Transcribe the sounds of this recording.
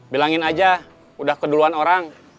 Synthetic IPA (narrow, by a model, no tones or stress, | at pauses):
bilaŋɪnad͡ʒa | udahkəduluanoɾaŋ